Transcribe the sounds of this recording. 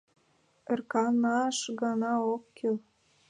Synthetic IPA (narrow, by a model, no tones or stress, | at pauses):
ə̆rkɑnɑʃɡɑnɑokːel